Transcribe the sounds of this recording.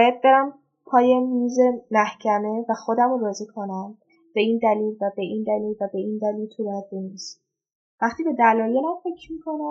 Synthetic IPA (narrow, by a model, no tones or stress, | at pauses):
bɔːjæd̪̚be̞ɾæm | pʰɒːje̞miːze̞mæhcʰæme̞væxo̞d̪æmoɾɒːziːkʰo̞næm | b̥e̞iːnd̪æliːlvæbe̞ind̪æliːlvæbe̞ind̪æliːlt̪ʰuɾd̪̚benis | væχt̪iːbe̞d̪ælɒːjelæmfe̞cʰɾmiːkʰo̞næ